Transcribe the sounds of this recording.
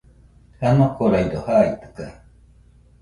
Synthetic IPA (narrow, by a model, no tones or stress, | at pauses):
hanokoɾaidohait̪ɯ̥ka